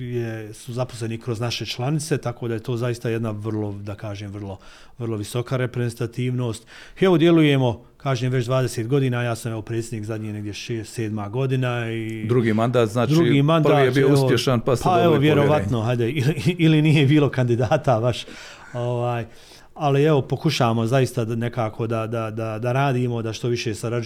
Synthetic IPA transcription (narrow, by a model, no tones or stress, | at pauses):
jesuzaposle̞nikɾo̞znaʃe̞t͡ʃlˠanɪt̪se̞t̪ako̞ːd̪aje̞t̪o̞ːzajist̪ajed̪naʋr̩lˠo̞d̪akaːʒeːmʋərlˠo̞ | ʋərlˠo̞ʋiso̞kaɾe̞pɾezent̪at̪iːʋno̞ːst̪ | eʋod̪je̞luje̞mo̞ | kaːʒeːmʋe̞t͡ʃd̪ʋaːd̪eseːt̪ɡo̞d̪iːnaːjaːsamjeopɾe̞ːt̪sjed̪iːkzad̪ɲiːne̞ɡd̪ʲjeʃeːseːd̪maːɡo̞d̪inaid̪ɾuɡiːmand̪aːt̪zaːt͡ʃd̪ɾuɡiːmandraːijebioeusopjeʃanpaspaeʋoʋjeɾo̞ʋat̪no̞ɦad̪eiliilinijebiːlˠo̞kand̪id̪aːt̪abaʃ | o̞ʋaːj | alie̞ʋo̞po̞kuʃaːʋamo̞zajist̪ane̞kaːkʰo̞d̪ad̪ad̪ad̪aɾaːd̪iːmo̞d̪aʃt̪o̞ʋiʃeːsaɾad͡ʒ